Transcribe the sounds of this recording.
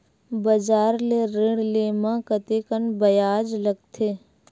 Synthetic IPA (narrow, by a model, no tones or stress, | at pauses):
bɐd͡ʒaːɾleɾɪɽleːmãkət̪ekənbɐjaːd͡ʒləɡ̚t̪ʰeː